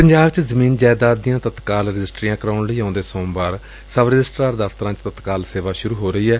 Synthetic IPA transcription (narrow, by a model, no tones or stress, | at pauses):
pəɲd͡ʒaːbt͡ʃzəmiːnd͡ʒaːd̪aːd̪ɪjãːt̪ət̪kaːlɾɪd͡ʒɪsʈɾiːjãːkəɾaːʊɳɽəiːãːnd̪eːsõːbaːɾ | səbɾɪd͡ʒɪsʈɾaːɾd̪aːft̪əɾãːt͡ʃt̪ət̪kaːlseːʋaːʃʊɾuːɦoːɾəiːɦɛː